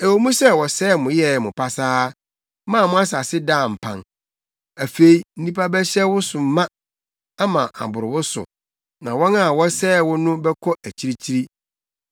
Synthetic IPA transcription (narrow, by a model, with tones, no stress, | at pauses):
e˨wo˨mũ˦sɛ˦wɔ˨sɛː˦mʊ̃˨jɛ˦˨mʊ̃˨pʰa˨saː˦ | mãː˦˨mʊ̃˦a˦sa˨sɪ˦dã˦˨m̩˨pʰã̰˨n | æ˨fe˦˨i˨n̩˦nĩ˦pʰa˦bɛ˦ɕɛ˦wʊ˦sʊ˨m̩˦mã˦ | a˦mã˨ʔa̰˨bʊ˨ɾɪ˨wʊ˦sʊ̰˨ | nã˨wɔ̃˦na˨wɔ˦sɛː˦˨wʊ˦nʊ̃˦bɛ˦kʰɔ˦ʔæ˨t͡ɕʰi˦ɾi˦t͡ɕʰi˦ɾi˦